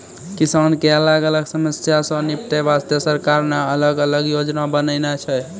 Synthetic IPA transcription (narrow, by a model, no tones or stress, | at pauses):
kisankeələɡələɡsəməsjasə̃nip̚ʈ̪eʋast̪əsəɾkaɾmeələɡələɡjod͡ʒnabənənet͡ʃʰɛ